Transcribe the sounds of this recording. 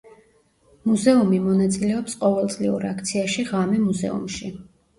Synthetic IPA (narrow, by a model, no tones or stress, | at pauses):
muzɛumimɔnat̪sʼilɛɔpsqʼɔvɛlˠt̪sʼliuɾakʰt̪sʰiaʃiʁamɛmuzɛ̰ṵmʃi